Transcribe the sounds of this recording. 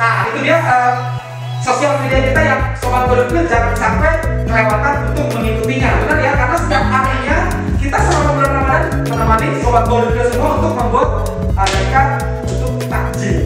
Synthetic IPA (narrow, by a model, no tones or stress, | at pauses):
nait̪udiaʔəm | sosialmediakit̪ajaŋsobat̪̚bɔɾʊkɲad͡ʒaŋansampɛməlewankanunt̪ʊk̚məŋikut̪iɲat̪ukanjakarnasə̥t̪iap̚aɾihɲa | kit̪asumamamuɾtnamanan | pənəmanɪksobat̪̚boɾʊɾɲasəmuaunt̪ʊk̚məmbuat̪̚ | əɾaka | ut̪ʊk̚t̪a̰̥d͡ʒi